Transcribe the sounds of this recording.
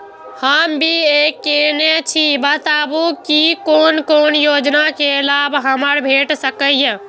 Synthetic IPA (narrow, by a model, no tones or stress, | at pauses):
həmbʱiekːenet͡ʃʰibət̪abukikonkonjod͡ʒnakelabɦəməɾbʱeʈsəkəijẽ